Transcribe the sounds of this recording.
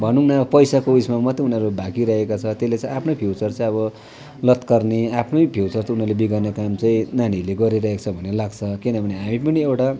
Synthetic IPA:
bʱʌnunapʌjsakousmamʌt̪iunʌɾubʱakiɾʌɦekot͡sʰʌt̪eslet͡sãĩapʰnopʰjuwt͡sʌrt͡saĩʌβʌ | lʌt̪kʌrneapʰnoipʰjuwt͡sʌrt͡sʌunʌrlebiɡarnakamt͡saĩnaɽ̃ileɡʌɾiɾʌɦekt͡sʰʌbʱʌnelaɡt͡sʰʌkinʌbʱʌneɦamĩpʌniewʈa

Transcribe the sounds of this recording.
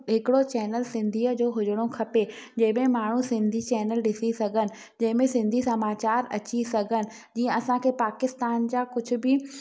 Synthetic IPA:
ɦɪkɪɽot͡ɕɛːnəlsɪ̃nd̪ʱiːəd͡ʑoːɦʊd͡ʑəɽ̃okʰɐpe | d͡ʑɐ̃ɦɪ̃mẽmaːɳ̤usɪ̃nd̪ʱit͡ɕɛːnəlɗɪsisɐɡʱənɪ̆ | d͡ʑɐ̃ɦɪ̃mẽsɪ̃nd̪ʱisɐmaːt͡ɕaːɾɐ̰t͡ɕisɐɡʱənɪ̆ | d͡ʑiːə̃ɐsãkʰeːpaːkɪst̪aːnd͡ʑaːkʊd͡ʑʱʊ̆bɪ

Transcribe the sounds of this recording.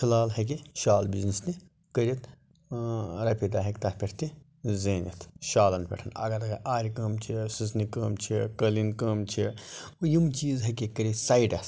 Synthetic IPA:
kʰɐlaːlɦɐk̬iʃaːlbiznisni | kəɾʲit̪ | ɾɐpʲid̪aːɦekt̪ɐpʲeʈʰt̪i | zeːnḭt̪ʃaːlɐnpʲḛʈʰɐnɐ̰ɡɐɾɐɡɐaːɾʲikəːmt͡ʃʰisisnikəːmt͡ʃʰikəlinkəːmt͡ʃʰiujimt͡ʃiːzɦɐkikəɾʲisaːiɖɐs

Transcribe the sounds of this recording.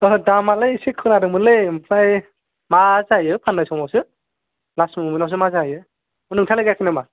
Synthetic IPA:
ɔdamalɯjsikʰːɯnaɾɯmɯlempʰaj | mazajɯpʰanːajsɔwmawsɯ | lasmɯmɯnaws̬ɯmazajɯ | ɯnɯŋtʰalɯɡajkʰɯnama

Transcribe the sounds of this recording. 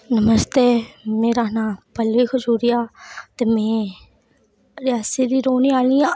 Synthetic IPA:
nəməst̪eːmẽːɾaːnãːpəlʋiːkʰʊd͡ʒuːɾiːaːt̪eːmẽː | ɾɪjaːsiːd̪iːɾoːniːaːliːaː

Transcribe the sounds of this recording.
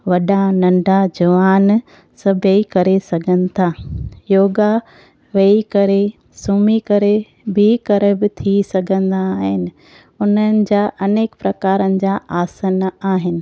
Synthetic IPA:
ʋɐɗanɐ̃ɳɖʱad͡ʑɐʋaːn | sɐbʱeikɐɾesɐɡʱənɪ̆t̪ʰaːjoːɡa | ʋeikɐɾe | sumikɐɾe | bʱikɐɾɛbɪt̪ʰisɐɡʱə̃nd̪aːɦɪnɪ̆ | ʊn̤ənɪ̆d͡ʑaːʔɐneːkpɾɐkaːɾənɪ̆d͡ʑaːʔaːsənaːɦɪnɪ̆

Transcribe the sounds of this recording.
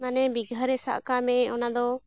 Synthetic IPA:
manɛbiɡʱəɾɛsa̰ʔkamɛɔnad̪ɔ

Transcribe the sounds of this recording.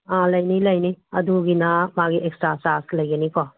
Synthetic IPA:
ãlɐjnilɐjniɐduɡinɐmaɡiʔekstasaslɐjɡɐnikɔ

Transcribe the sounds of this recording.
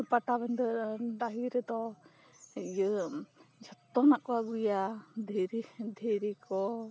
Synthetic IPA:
paʈabɛnd̪ɔɖaɦiɾɛd̪ɔ | jə | d͡ʒʱɔt̪ːɔnakɔwaɡujad̪ʱeɾid̪ʱeɾikɔ

